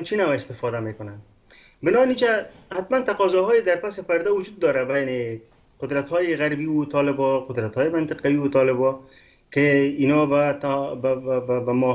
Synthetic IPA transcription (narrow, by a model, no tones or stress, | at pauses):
nt͡ʃinawɪst̪ɪfɔd̪amekʊnan | bɪnɔanit͡ʃahat̪mant̪aqɔzɔɦɔjed̪aɾpasɪpaɾd̪awʊd͡ʒud̪̚ːɒɾabajane | qʊd̪ɾat̪hɔjɪɣaɾbiwot̪ɔlɪbɔqʊd̪ɾat̪hɔjemant̪ɪqawiwʊt̪ɔlɪbɔ | keinɔbat̪abbbamɔ